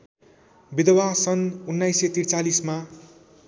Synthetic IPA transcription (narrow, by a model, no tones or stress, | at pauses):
bid̪ʌwasʌnunːajset̪iɾt͡salisma